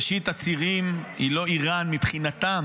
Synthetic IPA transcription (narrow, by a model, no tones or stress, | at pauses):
ʃit̪at͡siʁimhḭlo̞iʁanmipχinat̪am